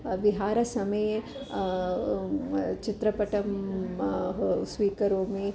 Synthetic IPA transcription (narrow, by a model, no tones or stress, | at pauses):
ʋɪɦaːɾɐsɐmɐj | t͡ʃɪt̪ɾɐpɐʈɐm | sʋiːkɐɾõːmẽ